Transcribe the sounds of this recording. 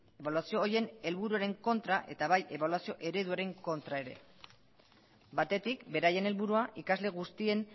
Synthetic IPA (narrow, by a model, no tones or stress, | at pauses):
e̞βaluasio̞ːje̞ne̞lβuɾuaɾe̞ŋko̞nt̪ɾaʔe̞t̪aβajʔe̞βaluasio̞ʔe̞ɾe̞ðuaɾe̞ŋko̞nt̪ɾae̞ɾe̞̰ | bat̪e̞t̪ikbe̞ɾaje̞ne̞lβuɾuaʔikazle̞ɣust̪ie̞n